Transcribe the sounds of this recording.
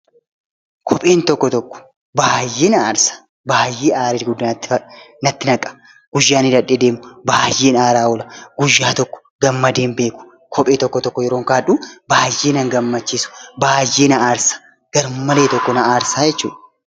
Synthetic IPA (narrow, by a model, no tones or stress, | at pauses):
kʰɔpʼe̞ːnt̪ɔkːɔt̪ɔkːɔ̥ | baːjːeːnɐaːɾsḁ | baːjːeːʔaːɾiɡʊd̪ːɐ | nɐt̪ːɪnɐkʼːɐ̥ | ɡ̥ʊjːaːnɪd̪ɐᶑːed̪e̞ːmʊbaːjːeːnaːɾaːwɔlɐɡ̥ʊjːaːt̪ɔkːɔ̥ | ɡɐmːɐd̪e̞ːmbe̞ːkʊ̥ | kʰɔpʼeːt̪ɔkːɔt̪ɔkːɔjɛɾo̞ːŋkaːᶑubaːjːeːnɐŋɡɐmːɐt͡ʃːiːsʊ̥baːjːeːnɐaːɾsḁ | ɡ̥ɐɾmɐleːt̪ɔkːɔnɐaːɾsaːd͡ʒɛt͡ʃːṵːᶑɐ